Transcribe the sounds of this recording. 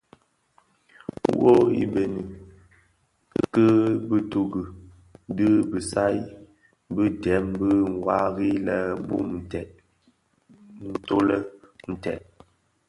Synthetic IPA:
wo˦ḭ˦be˨ni˨˦˨ | kə˦bə˦tu˨ɡə˨ | də˦bə˨sa˦j | bə˦dɛ˨˦mbə˦ŋ̩˨wa˦ɣi˦lə˦bṵ˦˨tɛ˨t̚ | n̩˦to˦lə˦n̩˨tɛ̰˨t̚

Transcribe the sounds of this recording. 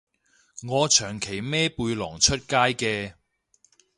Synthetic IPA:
ŋɔː˨˧t͡ʃʰœː˨˩ŋkʰe˨˩jmɛː˥puː˧jlɔː˨˩ŋt͡ʃʰɵ˥t̚kaː˥jkɛː˧

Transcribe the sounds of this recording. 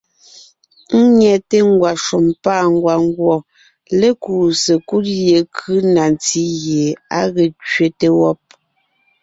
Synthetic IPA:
ŋ̩˦ɲɛ˨te˦ŋ˦ɡwa˨ʃu˨mpaː˦˨ŋ˨ɡwa˨ŋ˦ɡwɔ˨ | le˦ku˨se˨ku˦t̚je˨kʰɯ˦na˨nt͡si˦ɣje˨a˦ɣɛ˨t͡ʃɥe˨te˦wɔ˦p̚

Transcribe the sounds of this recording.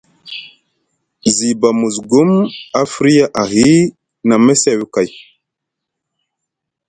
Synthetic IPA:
zi˨ba˨mu˨zɡu˦ma˦fɾi˦ja˦ʔa˨ɦi˦ | na˨me˦se˨wi˦ka˨j

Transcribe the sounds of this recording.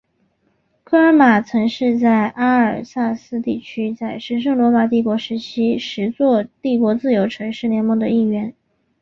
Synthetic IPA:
kʰɤ˥˩ə˞˧˥ma˨˩t͡sʰɤ˧˥ŋʂɻ̩˥˧t͡sa˥˩ɪʔa˥ə˞˨˩sa˥˩sɹ̩˥˧t̪i˥˩t͡ɕʰy˥t͡sa˥˩ɪʂɻ̩˧˥ʂ̬ɤ˥˩ŋlwɔ˧˥ma˨˩t̪̬i˥˩kwɔ˧˥ʂɻ̩˧˥t͡ɕʰi˥ʂɻ̩˧˥t͡swɔ˥˧t̪i˥˩kwɔ˧˥t͡sɹ̩˥˩jo˧˥ʊʈ͡ʂʰɤ˧˥ŋʂɻ̩˥˩njɛ˧˥nmwɔ˧˥˩d̪ə˧i˥˩ɥɛ˧˥n

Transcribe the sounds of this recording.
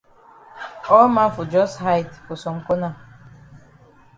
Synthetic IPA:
ɔ˦ma˦˨fʊ˨d͡ʒɔ˦sɦa˦jdkʊ˨sɔ˨ŋ̩˨ko˦na˦˨

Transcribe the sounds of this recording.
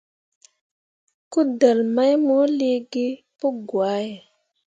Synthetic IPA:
ku˦də˨lma˦jmo˦li˦ɡe˦ | pu˦ɡwa˨˦je˨

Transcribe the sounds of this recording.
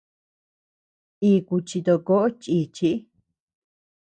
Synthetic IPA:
iː˧ku˧t͡ʃi˧t̪o˧ko˦ʔo˦t͡ʃiː˧˨t͡ʃi˧ʔi˦

